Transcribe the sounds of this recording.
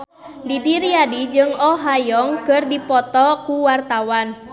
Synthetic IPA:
didiɾiadid͡ʒɨŋɔɦajɔŋkərdipɔt̪ɔkuwart̪awan

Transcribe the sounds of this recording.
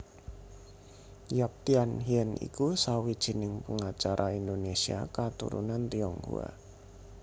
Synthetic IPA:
jap̚t̪ianɦiɛnḭkusawid̥ʒ̥i̤nɪŋpəŋat͡ʃaɾʔaind̪onesia̰kat̪ṵɾṵnant̪iɔŋhṵa̰

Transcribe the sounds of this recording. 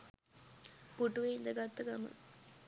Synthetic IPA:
puʈuʋeind̪əɡat̪ːəɡamə̰

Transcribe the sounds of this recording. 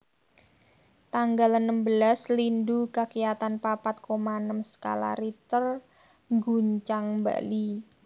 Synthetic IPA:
t̪aŋɡalənːəmbəlaslindukakijat̪anpapat̪̚komanəmsə̥ka̰la̰ɾit̪ər | ŋɡuɲt͡ʃaŋmba̰li

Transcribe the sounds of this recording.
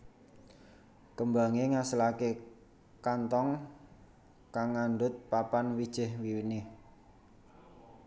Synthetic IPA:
kəmbaŋeŋasəlake | kant̪ɔŋ | kaŋːanɖʊt̪̚papanwid̥ʒ̥ɪ̤hwiwini

